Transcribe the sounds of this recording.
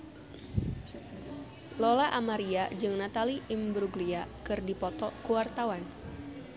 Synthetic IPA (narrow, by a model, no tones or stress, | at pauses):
lolaʔamaɾiad͡ʒɨŋnat̪aliʔimbɾuɡliakɨrdipɔt̪ɔkuwart̪awan